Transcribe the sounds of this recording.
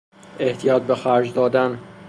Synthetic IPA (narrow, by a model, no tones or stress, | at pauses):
ʔe̞ht̪ʰijɒːt̪̚bexæɾd͡ʒd̪ɒːd̪æn